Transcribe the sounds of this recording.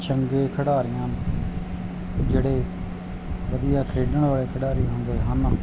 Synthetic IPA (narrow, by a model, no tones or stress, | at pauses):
t͡ʃəŋɡeːkʰəɽaːɾɪjãːn | d͡ʒeːɽeː | ʋəd̪ɪjaːkʰeːɖəɳʋaːɭeːkʰəɽaːɾiːɦʊnd̪eːɦən